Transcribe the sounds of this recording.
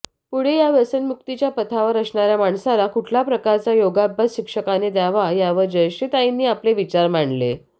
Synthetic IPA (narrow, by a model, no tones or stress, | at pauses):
puɽ̤ejaʋəsənmuk̚t̪it͡ɕjapət̪ʰaʋəɾəsɳaɾjamaɳsalakuʈʰlapɾəkaɾt͡sajoɡabʱat̪ɕikʂəkaned̪aʋajaʋəd͡ʑəɕet̪ainːiːapleʋit͡ɕaɾmaɳlḛ